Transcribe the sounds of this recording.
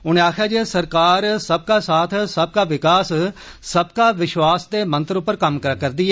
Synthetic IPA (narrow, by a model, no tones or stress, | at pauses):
ʊñẽaːkʰaːd͡ʒesəɾkaːɾsəb̚kaːsaːt̪ʰsəb̚kaːʋɪkaːssəbkaːʋɪʃʋaːsd̪eːmə̃nt̪əɾʊpːəɾkəmkkəɾd̪iːɛː